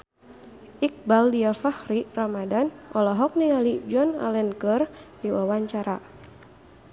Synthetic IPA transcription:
ʔik̚baldiafahɾiramadanʔɔlɔɦɔk̚niŋalid͡ʒɔna̰lɛnkərdiwawaɲt͡ʃaɾa

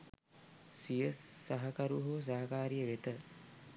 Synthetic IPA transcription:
sijəsaɦɐkɐɾuɦos̬aɦɐkaːɾijəʋet̪ə

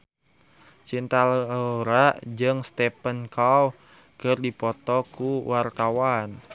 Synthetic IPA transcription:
t͡ʃint̪alɾad͡ʒɨŋst̪ɛpənkaw | kɨrdipɔt̪ɔkuwart̪awan

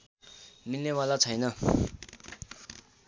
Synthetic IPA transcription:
milnewalat͡sʰʌjnʌ

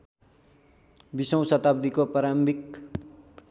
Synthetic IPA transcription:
bisʌw̃sʌt̪ab̚d̪ikopaɾambʱik

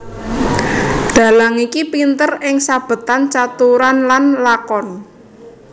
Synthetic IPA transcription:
d̪̥a̤laŋikipint̪ərɪŋsab̥ə̤t̪ant͡ʃat̪uɾanlanlakɔn

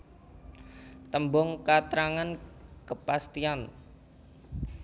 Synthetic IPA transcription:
t̪əmbɔŋkat̪ɾaŋankəpast̪ian

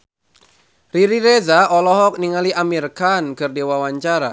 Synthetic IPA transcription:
riɾiɾezaɔlɔɦɔk̚niŋaliʔamirkankɨrdewawaɲt͡ʃaɾa

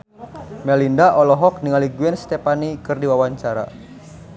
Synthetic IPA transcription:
mɛlindaʔɔlɔɦɔk̚niŋaliɡuɛnst̪ɛpanikɨrdiwawaɲt͡ʃaɾa̰

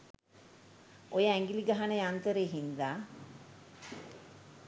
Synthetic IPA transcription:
ojəæŋɡiliɡaɦanəjant̪əɾeːɦind̪aː

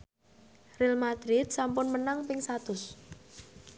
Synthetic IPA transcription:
rilmad̪̥ɾɪt̪̚sampʊnmənaŋpɪŋsat̪ʊs

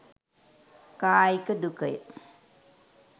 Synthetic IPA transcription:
kaːjkədukəj̰

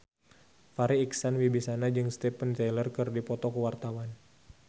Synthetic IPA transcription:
faɾiːksanwibisanad͡ʒɨŋst̪ɛpənt̪elərkɨrdipɔt̪ɔkəwart̪awan

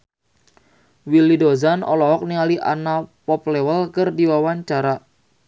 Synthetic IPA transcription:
wilidozanʔɔ̰lɔɦɔk̚niŋaliʔa̰napɔp̚lewəlkərdiwawaɲt͡ʃaɾa

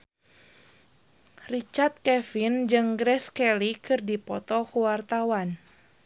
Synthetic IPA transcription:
rit͡ʃart̪̚kɛfind͡ʒɨŋɡɾɛskɛlikɨrdipɔt̪ɔkəwart̪awan

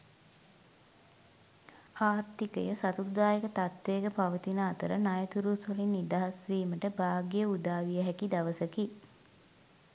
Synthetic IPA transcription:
aːɾt̪ikəjəsat̪ud̪aːjekət̪at̪ʋeːkəpaʋət̪inaːt̪əɾənajət̪uɾusolinːid̪aɦasʋiːməʈəbaːɡijəud̪aːʋijəɦækid̪aʋəsəki

